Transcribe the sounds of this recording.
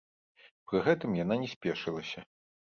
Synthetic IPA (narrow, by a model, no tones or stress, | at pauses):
pɾɨɣɛt̪ɨmjananʲɛsʲpʲɛʂɨlˠɐsʲɐ